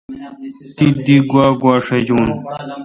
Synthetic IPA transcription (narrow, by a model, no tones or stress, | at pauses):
t̪id̪iɡwaːɡwaːʂɐd͡ʑuːn